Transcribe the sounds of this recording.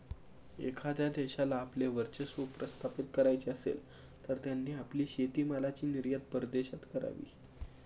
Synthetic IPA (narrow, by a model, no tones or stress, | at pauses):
ḛkʰad͡zad̪eɕalaːpleʋəɾt͡ɕəsupɾəst̪ʰapit̪kəɾajt͡ɕeəsḛl | t̪əɾt̪janːiːapliːɕet̪iːmalat͡ɕiːniɾjət̪̚pəɾd̪eɕat̪kəɾa̰ʋḭː